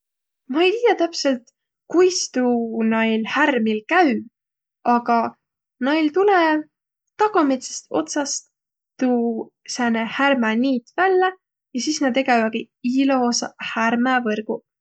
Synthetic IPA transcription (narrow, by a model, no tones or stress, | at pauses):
mɑe̞jt̪iːjɑt̪æpse̞lt̪ | kujst̪uːnɑjlhærmilkæɥ | ɑɡ̥ɑ | nɑjlt̪ule | t̪ɑɡ̥ɑme̞t̪se̥st̪o̞̰t̪sɑst̪ː | uː | sænehærmæniːt̪vælːe | jɑsiːsnɑd̪eɡ̥evɑɡ̥i | ilosɑhærmævɤrɡ̥u